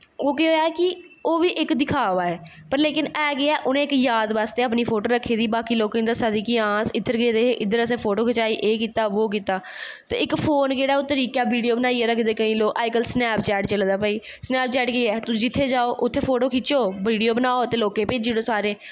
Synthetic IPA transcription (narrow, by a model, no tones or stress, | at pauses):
oːkeɦoːaːkɪ | oːʋiːʔɪkd̪ɪkʰaːʋaːɛː | pəɾleːkɪnɛːɡɪaːʔʊnẽːɪkjaːd̪ʋaːst̪eːəpniːpʰoːʈoːɾəkʰːeːd̪iːbaːkiːloːkẽd̪əɾsad̪iːkiːãːsɪt̪ʰːəɾɡeːd̪eːeːʔɪd̪əɾəs̬ẽːpʰoːʈoːkʰɪt͡ʃaːiːʔeːkiːt̪aːʋoːk̬iːt̪aː | t̪ḛːɪkpʰoːnkeːɽaːoːt̪əɾiːkaːbiːɖijoːbənaːiːɛːɾəkʰd̪eːkəĩːloːʔaːɪkəlsnɛːpt͡ʃɛːʈt͡ʃəld̪aːpəːiː | snɛːp̚t͡ʃɛːʈkeːɛːt̪ʊd͡ʒɪt̪ʰːeːd͡ʒaːoːʔʊt̪ʰːeːpʰoːʈoːkʰɪt͡ʃoːʋiːɖijoːbənaːoːt̪eːloːkẽːpeːd͡ʒeːɽoːsaːɾeː